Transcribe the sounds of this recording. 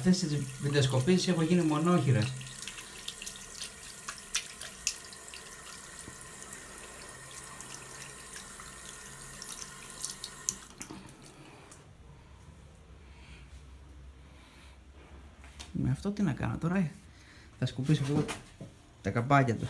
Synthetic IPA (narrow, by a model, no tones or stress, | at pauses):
ɐft̪e̞sizvid̪ɐsko̞pisisexoʝinimo̞no̞çiɾɐ | meɐft̪o̞t̪inɐkɐ̰no̰t̪o̞ɾɐ | θɐskupisopo | t̪ɐkɐpɐcɐt̪ṵs